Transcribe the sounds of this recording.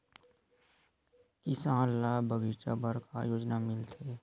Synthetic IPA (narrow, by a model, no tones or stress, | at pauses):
kɪsãːlːabəɡiːt͡ʃabəɾka̰joːd͡ʒnamɪlt̪ʰeː